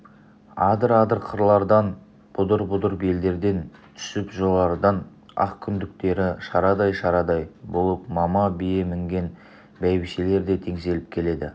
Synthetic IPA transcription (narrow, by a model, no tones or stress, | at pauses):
ɑd̪əɾɑd̪əɾqʰəɾlˠɑɾd̪ɑn | b̥ʊd̪əɾbʊd̪əɾbe̞ld̪e̞ɾd̪e̞nt̪ʰʏ̥sɪpʒo̞lˠɑɾd̪ɑn | ɑ̰qkʲʰʏnd̪ɪk̚t̪e̞ɾɪʃɑɾɑd̪ɑjʃɑɾɑd̪ɑjbolˠəp̚mɑmɑbijemɪŋɡʲe̞n | bæjbɪʃele̞ɾd̪e̞t̪ʰe̞ŋse̞lɪp̚kʲʰe̞le̞d̪ɪ